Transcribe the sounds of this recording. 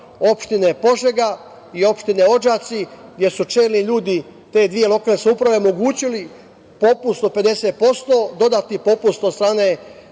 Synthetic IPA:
o̞pʃt̪inepo̞ʒeɡa | io̞pʃt̪ineo̞d͡ʒat̪siɡd̪ʲje̞sut͡ʃeːlniʎuːd̪i | t̪e̞ːd̪ʋije̞lˠo̞kaːlskʲeupɾaʋe̞mo̞ɡuːt͡ɕili | po̞pust̪ope̞d̪e̞seːt̪̚po̞st̪o̞ːd̪o̞d̪at̪ipo̞pust̪od̪st̪ɾaːne̞

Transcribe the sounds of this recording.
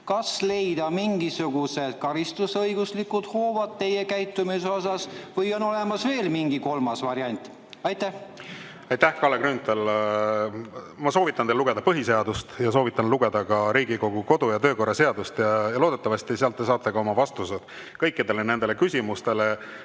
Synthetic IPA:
kɑsle̞jd̪̥ɑmiŋɡisuɡ̥use̞d̪̥̚kɑɾist̪usɤjɡ̥uslikud̪̥ho̞ːvɑd̪̥̚t̪e̞jekæjt̪ːˑumiseo̞sɑsvɤjo̞no̞le̞mɑsve̞ːlmiŋɡiko̞lmɑsvɑɾjɑnʲt̪ˑ | ɑjt̪æh | ɑjt̪ːæhkɑːleɡɾynt̪ˑel | mɑso̞ːvit̪ːˑɑnt̪eluɡe̞d̪ɑpɤɦise̞ɑd̪ust̪jɑs̬oːvit̪ːˑɑnluɡ̥e̞d̪̥ɑkɑɾiːɡiko̞ɡ̥uko̞d̪ujɑt̪ø̞ːko̞rːɑse̞ɑd̪̥ust̪jɑjɑloːd̪e̞t̪ːˑɑvɑst̪iseɑlt̪ːˑesɑːt̪ːˑeɡ̥ɑo̞mɑvɑst̪used̪̥ | kɤjkːˑid̪̥e̞le̞ne̞nd̪e̞lekysʲimust̪e̞le̞

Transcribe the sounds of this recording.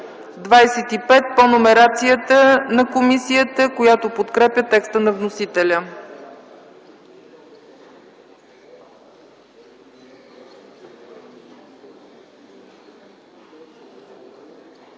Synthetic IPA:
d̪vajsɛt̪ipɛt̪̚ponomɛɾat̪sijət̪ənɐkomisiət̪əkojat̪opot̪kɾɛpʲjət̪ɛkst̪ənɐvnosit̪ɛlʲə

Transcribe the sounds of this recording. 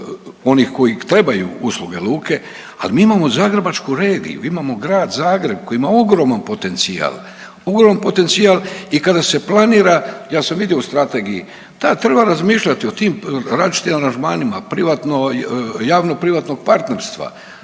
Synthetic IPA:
o̞niːxko̞jit̪ɾe̞bajṵuslˠuɡe̞lˠuːke̞ | a̰limiːimamo̞zaːɡɾebat͡ʃkuɾeːɡḭjṵimamo̞ɡɾaːd̪zaːɡɾe̞b̚ko̞jiimaoɡɾo̞ːmanpo̞t̪e̞nt̪sia̰ːl | oɡɾomanpo̞t̪e̞nt̪siaːlikad̪ase̞planiːɾajaːsamʋid̪jeust̪ɾat̪e̞ːɡijḭ | t̪at̪ɾe̞baɾazmiːʃʎat̪io̞t̪iːmɾait͡ʃi̥t̪imaɾand͡ʒmaːnimapɾiʋat̪nojaːʋnopɾiʋat̪no̞ɡ̚paɾt̪ne̞ɾst̪ʋa̰

